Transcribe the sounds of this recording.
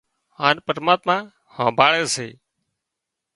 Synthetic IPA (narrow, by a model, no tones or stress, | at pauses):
ɦaːnpəɾmaːt̪mãː | hãːbʱaːɭeːsḛː